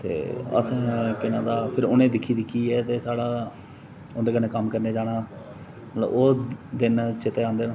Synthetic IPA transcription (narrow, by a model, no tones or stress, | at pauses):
t̪ḛːə̰sɛ̃ːkɪnãːd̪aːpʰɪɾoːnẽːd̪ɪkʰːiːd̪ɪkʰːiːɛːt̪eːsaːɽaː | ond̪eːkəneːkəmkəɾneːd͡ʒaːɽaː | mət̪lə̰boːd̪ɪnt͡ʃɪt̪eːãːnd̪eːnã